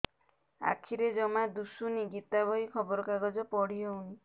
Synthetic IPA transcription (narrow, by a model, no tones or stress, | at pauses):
a̰kʰiɾed͡ʒɔmad̪usuniɡit̪abʱɔikʰɔbɔɾɔkaɡɔd͡ʒɔpɔɽ̤ijɔɦuɽ̃i